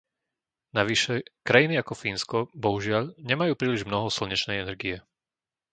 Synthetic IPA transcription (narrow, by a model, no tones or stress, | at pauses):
naʋiʃɛkɾajiniakɔfiːnskɔbɔɦuʒɪaʎɲɛmajuːpɾiːliʒmnɔɦɔsl̩ɲɛt͡ʃnɛjɛnɛɾɡijɛ